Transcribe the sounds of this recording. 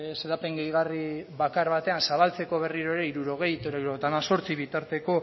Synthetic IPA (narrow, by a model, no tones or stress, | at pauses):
seðape̞ŋɡejɣariβakaɾβat̪e̞ansaβalt͡se̞ko̞β̞e̞riɾo̞eɾeiɾuɾo̞ɣ̞e̞jt̪eɾoiɾoet̪amaso̞ɾt͡siβit̪aɾt̪e̞ko̞